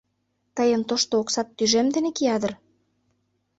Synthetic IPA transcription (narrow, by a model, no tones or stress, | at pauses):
t̪əjə̆nt̪oʃt̪ooksɑt̪ːyʒemd̪enekiɑd̪ə̆r